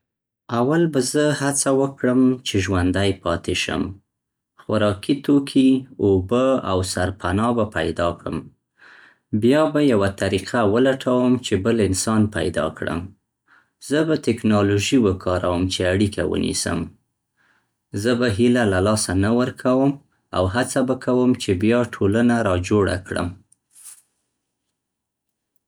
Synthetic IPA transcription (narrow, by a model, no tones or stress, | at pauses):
awalbazəhat͡sawəkɽəmt͡ʃeʒwand̪ajpɑt̪eʃə̰m | xwaɾɑkit̪okʰiobəa̰wsaɾpʰanɑbapa̰jd̪ɑkɽə̰m | bjɑbajawat̪aɾiqʰawəlaʈʰawəmt͡ʃebəlɪnsɑnpa̰jd̪ɑ̰kɽə̰m | z̥əbat̪ɪknɑloʒiwəkʰɑɾawəmt͡ʃeaɽikʰawə̰nḭsə̰m | zəbaɦilalalɑsanawəɾkʰawəm | a̰wɦat͡sabakʰawəmt͡ʃebjɑʈʰolanaɾɑd͡ʒoɽa̰kɽə̰m